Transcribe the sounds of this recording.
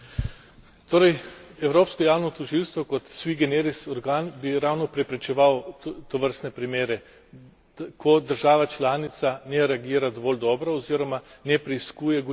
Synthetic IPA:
t̪oːɾɛjɛwɾoːpskɔjaːwnɔt̪ɔʒilst̪ʋɔkɔt̪sʋiɡɛneɾisɔɾɡaːnbiɾawnɔpɾɛpɾɛt͡ʃɛʋawt̪ɔʋəɾst̪nɛpɾimeːɾɛ | kʰɔd̪əɾʒaːʋat͡ʃlaːnit̪sanɛɾɛaɡiːɾad̪ɔʋɔːld̪ɔːbɾaɔziːɾɔmanɛpɾɛiskuːjɛɡ

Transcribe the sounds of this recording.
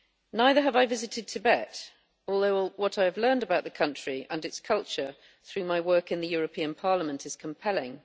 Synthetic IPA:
naɪðə˞əvaɪvɪzɨtɨd̚tʰɨbɛt | ɔlˠðoʊwʌɾaɪəvlɜ̃˞ndəbaʊʔ̪̚ðəkʰʌ̃nt͡ʃɹ̥iʔə̃nɨtskʰʌlˠt͡ʃə˞ | θɹʉmaɪwɜˑ˞kɨ̃nðɨjɔɹɨpʰĩə̃npʰɑɹləmə̃ntʰɨz̥kʰə̃mpʰɛlɪ̃ŋ

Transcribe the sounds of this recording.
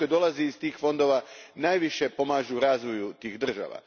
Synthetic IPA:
jd̪o̞lˠaziːst̪iːxfo̞nd̪o̞ʋanaːjʋiʃe̞po̞maːʒuɾaːzʋo̞jut̪iːɣd̪r̩ʒa̰ːʋa̰

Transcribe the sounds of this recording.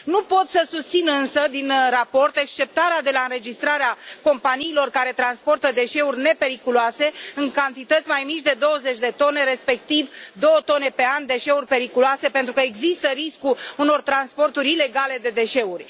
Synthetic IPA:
nupo̞t̪səsust̪sinɨnsəd̪inrapo̞rt̪e̞kst͡ʃe̞p̚t̪aɾead̪e̞laɨnɾe̞d͡ʒist̪ɾaɾeako̞mpaniːlo̞rkaɾe̞t̪ɾanspo̞rt̪əd̪e̞ʃe̞urʲne̞pe̞ɾikuluase̞ɨŋkant̪it̪ət̪sʲmajmit͡ʃʲd̪e̞d̪o̞wəze̞t͡ʃʲd̪e̞t̪o̞ne̞ɾe̞spe̞k̚t̪ivd̪o̞wət̪o̞ne̞pe̞and̪e̞ʃe̞urʲpe̞ɾikuluase̞pent̪ɾukəeɡzist̪əɾiskuuno̞rt̪ɾanspo̞rt̪uɾʲile̞ɡale̞d̪e̞d̪e̞ʃe̞urʲ

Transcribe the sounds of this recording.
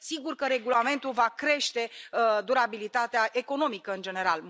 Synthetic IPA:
siɡurkəɾe̞ɡulame̞nt̪ulvakɾe̞ʃt̪e̞d̪uɾabilit̪at̪eaʔe̞ko̞no̞mikəɨnd͡ʒe̞ne̞ɾa̰l

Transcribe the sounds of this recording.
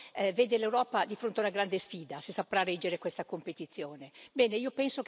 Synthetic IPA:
ɛveːd̪elewɾɔːpad̪ifɾont̪eaunaɡɾand̪esfiːd̪asesapɾarɛd͡ʒːeɾekwest̪akompet̪it̪sːjoːnebɛːneiːopɛnsok

